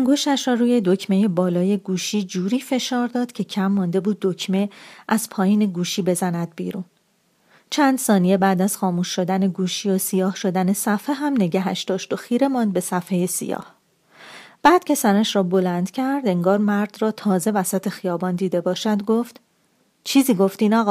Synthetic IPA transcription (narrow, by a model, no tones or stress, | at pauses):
ʔæŋɡo̞ʃt̪æʃrɒːɾuːje̞d̪o̞cʰme̞je̞bɒːlɒːje̞ɡuːʃiːd͡ʒuːɾiːfe̞ʃɒːɾd̪ɒːd̪̥cʰe̞cʰæmːɒnd̪e̞buːd̪ːo̞cʰme̞ʔæz̥pʰɒːjiːne̞ɡuːʃiːbe̞zænæd̪̚bḭːɾuːn | t͡ʃʰænd̪sɒːnijebæːd̪æz̥xɒːmuːʃːo̞d̪æneɡuːʃijosijɒːhʃo̞d̪æne̞sæfeɦæmne̞ɟæɦæʃd̪̥ɒːʃt̪o̞xiːɾe̞mɒnd̪̚be̞sæfeje̞sḭjɒ̰ːh | b̥æːd̪̥cʰe̞sæɾæʃɾɒːbo̞lænd̪̥cʰæɾd̪e̞ŋɡɒːɾmæɾd̪̥rɒːt̪ʰɒːze̞væsæt̪ʰe̞xijɒːbɒːnd̪iːd̪e̞bɒːʃæd̪ɡoft̪ | t͡ʃʰiːziːɡo̞ft̪iːnɒːɣɒː